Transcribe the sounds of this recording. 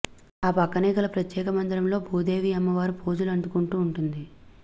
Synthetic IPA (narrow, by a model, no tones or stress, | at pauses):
aːpɐkːɐnɛːkɐlɐpɾɐt̪jɛːkɐmɐnd̪ɾɐmlo̞ːbʱuːd̪e̞ːʋiɐmːɐʋaːɾupuːd͡ʒulɐɳɖ̪ukuɳʈuːɳʈund̪i